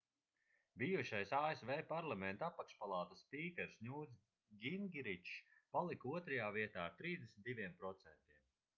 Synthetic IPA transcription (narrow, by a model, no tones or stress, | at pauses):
biːuʃajsaːesvɛːpaɾlˠamɛnt̪apakʃpalˠaːt̪aspiːkʲɛɾsnʲuːd̪s | ɡʲinɡʲiɾit͡ʃpalˠikuɔt̪ɾajaːviɛt̪aːɾt̪ɾiːzd̪esnʲit̪d̪ivʲiɛmpɾɔt̪sɛnt̪iɛm